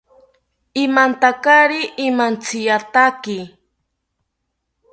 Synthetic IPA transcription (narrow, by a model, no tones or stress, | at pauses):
ɪmant̪akaɾɪʔɪmant͡sʰɪjat̪akɪ